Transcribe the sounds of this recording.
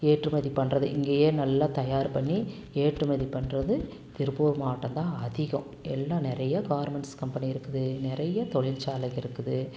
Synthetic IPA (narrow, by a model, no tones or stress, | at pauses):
eːʈrɯmɐðipɐɳrɐðɯʔɪŋɡeːjeːnɐlːɐt̪ɐjaːɾpɐɳːi | eːʈrɯmɐðipːɐɳrɐðɯ | t̪ɪɾbuːɾmaːʈːɐnt̪ãːɐðɪɣɐ̃ | ɛlːãːnɪɾɐjɐɡaːɐɾmɛɳskɐmpɐniɪɾɯkːɯðɯnɪɾɐjɐt̪ɔɭɪlt͡ʃaːlɐkɪɾɯkːɯðɯ